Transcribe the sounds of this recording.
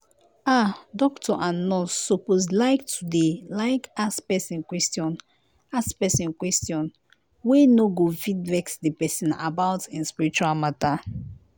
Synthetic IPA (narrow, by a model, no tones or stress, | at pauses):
adɔktʰɔʔãnːɔsopozlaɪktʰudelaɪkaspɛsĩnkwɛstjɔ̃n | aspɛsĩnkwɛstjɔ̃n | wenoɡofĩdvɛksdepɛsĩna̰bawtĩnspiɹit͡ʃualmata